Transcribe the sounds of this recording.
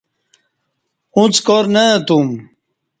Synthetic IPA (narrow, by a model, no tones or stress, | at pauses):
ũt͡skoɾnət̪um